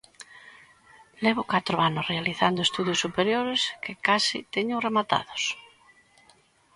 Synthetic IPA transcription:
leβokat̪ɾoanosrealiθand̪oest̪uðjosːupeɾjoɾeskekasḭt̪eɲoremat̪a̰ðos

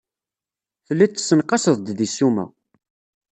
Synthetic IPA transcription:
θəlːit͡s̪ːə̥sːənqɑsəðˤd̪ðisːumæ̰

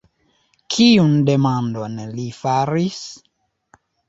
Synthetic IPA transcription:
kʰiunde̞mandonlifaɾis

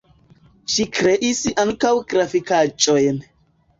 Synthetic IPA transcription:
ʃikɾeʔisʔaŋkawɡɾafikat͡ʃʼojn

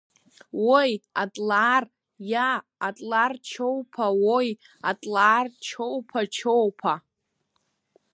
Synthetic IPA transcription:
wojatʼlaːr | jaːtʼlart͡ʃʰowpʰawoj | a̰tʼlaːrt͡ʃʰowpʰat͡ʃʰowpʰa

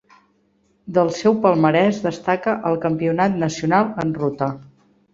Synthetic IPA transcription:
d̪əlˠsɛwpəlˠməɾɛzd̪əst̪akəʔəlˠkəmpiunat̪nəsiunalˠənrut̪ə

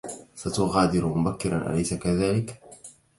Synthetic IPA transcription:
sat̪uɣaːd̪iɾumʊbakːiɾanʔa̰lajsakaðaːlɪk

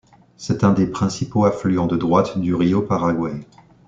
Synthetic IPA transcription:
sɛt̪ɛ̃d̪epχɛ̃sipoaflyɑ̃d̪əd̪ʁwat̪d̪yʁiopaʁaɡwa

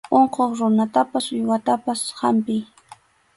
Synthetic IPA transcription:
oɴqoχɾʊnat̪apasʊjwat̪apasha̰mpɪj

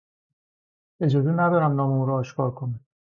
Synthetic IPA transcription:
ed͡ʒɒːzinæd̪ɒɾæmnɒːmeuːɾɔːʃkʰɒːɾkʰoni

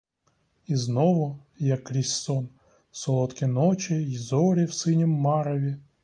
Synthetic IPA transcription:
iznɔʋʊ | jɐkːɾʲisʲsɔn | sɔlˠɔt̪kʲinɔt͡ʃʲɪjzɔɾʲiwsɪnʲimːɑɾɔʋʲi

